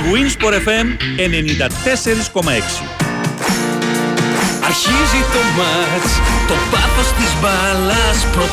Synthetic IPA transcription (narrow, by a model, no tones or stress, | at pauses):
ɣuinspoɾefemene̞nind̪ɐt̪e̞se̞ɾisko̞mɐe̞ksi̥̰ | ɐɾçizit̪o̞mɐɾt͡st̪o̞pɐfo̞st̪izvɐlɐspɾo